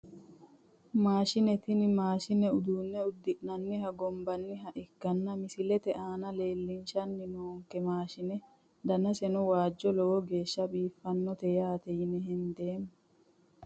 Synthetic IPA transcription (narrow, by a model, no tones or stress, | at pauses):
maːʃɪnɛt̪ɪnɪmaːʃɪnɛʊd̪uːnːɛʊd̪ːɪʔʼnɐnːɪɦɐɡɔmbɐnːɪɦɐʔɪɡːɐnːɐmɪsɪlɛt̪ɛʔaːnɐle̞ːlːɪnʃɐnːɪnoːŋkːɛmaːʃɪnɛ | d̪ɐnɐsɛnʊwaːd͡ʒːɔlɔwɔɡe̞ːʃːɐbiːfːɐnːɔt̪ɛjaːt̪ɛjɪnɛɦɛnd̪eːm